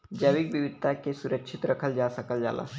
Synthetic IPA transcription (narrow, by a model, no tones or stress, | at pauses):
d͡ʒəʋik̚biʋid̪̚t̪akesuɾəkʃʰit̪ɾɐkʰəld͡ʒasəkəld͡ʒa̰la̰